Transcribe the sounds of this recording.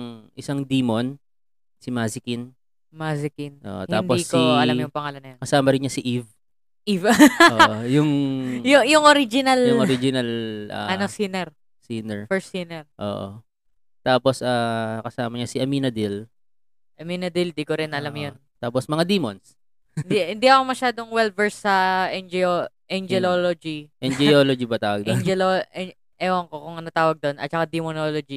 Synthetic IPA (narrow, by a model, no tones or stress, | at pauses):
ŋʔɪsaŋd̪iːmon | sɪmazɪkɪn | masɪkinʔo̰ːʔot̪aːndoiskiɐlamjʊŋpɐŋaːlɐnːɐjɐkɐsaːmɐɾɪnɲɐsɪʔiv | ʔivʔojʊŋjʊjʊŋʔoɾid͡ʒɪnɐljʊʔoɾid͡ʒɪnɐlʔɐ̰ɐnosinɛɾ | siːnɛɹfɛɹsinɛɾʔo̰ːʔo̰ | t̪aːposʔaːkɐsaːmɐɲasɪʔɐminɐd̪il | ʔɐminɐd̪ild̪ikoɾɪnʔɐlamjon | t̪aːposmɐŋad̪iːmons | nd̪ihɪnd̪iʔɐkomɐʃaːd̪oŋwɛlvɛɹsːɐʔɛnd͡ʒɛoʔɛnd͡ʒɛloːlod͡ʒiʔɛnd͡ʒɛoːlod͡ʒibɐt̪aːwɐɡd̪ɛd͡ʒɛlo | ʔɛwɐŋkokʊŋɐnɐt̪aːwɐɡ̚d̪onʔɐ̰t̪̚t͡ʃɐkad̪imonoːlod͡ʒi